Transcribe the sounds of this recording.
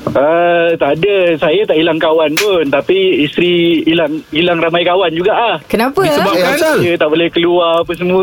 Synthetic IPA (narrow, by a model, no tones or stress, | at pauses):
ət̪adəsajat̪aʔilaŋkawanpʊnt̪apiːst̪ɾiːlaŋilaŋramajkawand͡ʒuɡaʔlahkənapəisəbakasət̪aʔbolɛhkəluarpəsəmu